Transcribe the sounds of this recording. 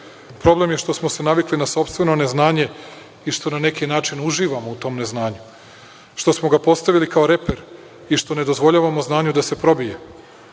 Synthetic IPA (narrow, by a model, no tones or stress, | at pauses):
pɾo̞ble̞mje̞ʃt̪o̞smose̞naʋiklinaso̞pst̪ʋe̞no̞ne̞znaːɲe̞ | iʃt̪o̞nane̞kinaːt͡ʃinuʒiːʋamo̞ut̪o̞ːmne̞znaːɲu | ʃt̪o̞smo̞ɡapo̞st̪aʋilikao̞ɾe̞pe̞ɾ | iʃt̪o̞ne̞d̪o̞zʋo̞ʎaːʋamoznaːɲud̪ase̞pɾo̞bije